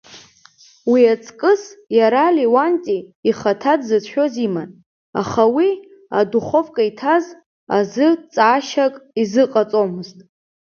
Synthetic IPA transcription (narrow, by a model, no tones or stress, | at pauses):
wiat͡sʼkʼɨsjaɾaliwantʼiːχatʰadzɨt͡sʰħᶣo̞ziman | a̰χawi | a̰duχo̞vʼkʼaitʰaz | a̰zɨt͡sʼːʃakʼizɨqʼat͡sʼomɨztʼ